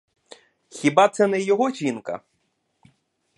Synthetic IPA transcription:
xʲibɑt̪sɛnɛjɔɦɔʒʲinkɐ̰

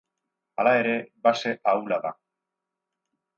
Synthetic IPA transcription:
a̰lae̞ɾe̞base̞ʔawlaða̰

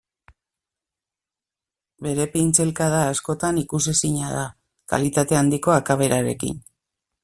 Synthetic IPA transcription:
be̞ɾe̞pint͡se̞lkaðaːsko̞t̪anikusisiɲað̞a | ka̰lit̪at̪e̞and̪iko̞akaβe̞ɾaɾe̞̰kḭn

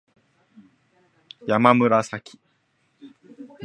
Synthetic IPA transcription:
jamamɯ̟ɾasakʲʰi̥

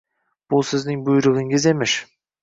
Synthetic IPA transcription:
b̥ʊsɪznɪŋbʊjʊɾɨʁɨŋɪze̞mɪʃ

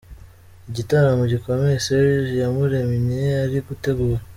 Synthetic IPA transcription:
ɟitaɾamuɟikomeseizjamuɾemiɲeaɾikuteɡuwa

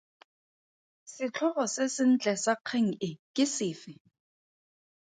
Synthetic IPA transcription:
sɪt͡ɬʰɔχɔsɪsɪn̩t͡ɬʼɛsaq͡χʰeŋ̩ɪkʼɪsɪːfɪ

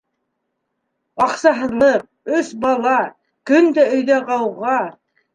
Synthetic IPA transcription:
ɑqsɑɦɤ̆ðlˠɤq̚ɵsbɑlˠɑ | kɵnd̪æɵ̆jd̪æʁɑwʁɑ

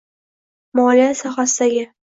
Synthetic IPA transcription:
mɒlijasɒχasɪd̪aɡʲɪ

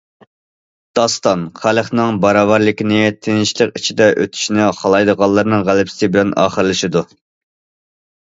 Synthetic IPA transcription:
d̪̥ɑst̪ɑnχælˠəχnɨŋbɑɾɑːvɑɾlˠɪkʲinɪt̪ʰenɪʃlˠəqit͡ʃʰid̪ɛʔøt̪ʰy̥ʃnɪχɑlˠɑjd̪əʁɑlˠːɨɾnɨŋʁælɪpsɪbɪlɛnɑ̰ːχəɾɨlˠɨʃid̪u

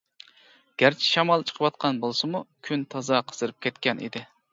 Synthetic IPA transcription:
ɡ̥ʲæɾt͡ʃʰi̥ʃɑmɑlˠt͡ʃʰə̥qʰəwɑt̪̚qʰɑnbolˠsɨmukʲʰynt̪ʰɑzɑqʰə̥z̥ɨɾɨp̚kʲʰɛt̪kʲɛnʔḭd̪ɪ

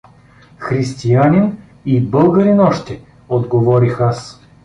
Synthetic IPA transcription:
xɾist̪ijanʲin | ibɤlˠɡəɾinɔʃt̪ɛ | od̪ɡovɔɾixas

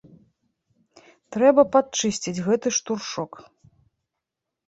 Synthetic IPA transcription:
t̪ɾɛbɐpat̪̚t͡ʂɨsʲt͡sʲid͡zʲɣɛt̪ɨʂt̪urʂɔk

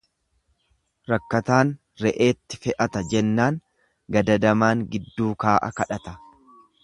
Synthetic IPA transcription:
ɾɐkːɐt̪aːn | ɾɛʔeːt̪ːɪ̥fɛʔɐt̪ɐd͡ʒɛnːaːŋ | ɡɐd̪ɐd̪ɐmaːŋɡɪd̪ːuːkaːʔɐ̰kɐᶑɐt̪ɐ

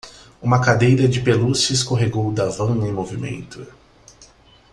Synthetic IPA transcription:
ũmɐkad̪ejɾɐd͡ʒɪpelusɪskoɦeɡowd̪avɐ̃w̃ẽj̃movimḛ̃nt̪ʊ

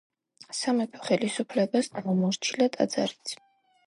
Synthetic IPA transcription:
samɛpʰɔ̥χɛlisupʰlɛbasʼamɔmɔɾt͡ʃʰilat̪ʼa̰d̪z̥a̰ɾit̪sʰ

